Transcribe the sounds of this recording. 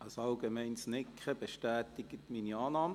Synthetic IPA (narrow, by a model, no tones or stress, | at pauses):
ɑsɑlɡemɛɪnsnɪkχəb̥eʃtɛːtɪɡ̥ətmiːniɑːnɑːmə